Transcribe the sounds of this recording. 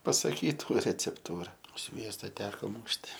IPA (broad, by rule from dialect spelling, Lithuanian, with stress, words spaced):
pɐsɐˈkʲiːtuː rʲɛt͡sʲɛpˈtuːrɐ ˈsʲʋʲiɛstɐ ˈtʲæːkoː ˈmuːʃʲtʲɪ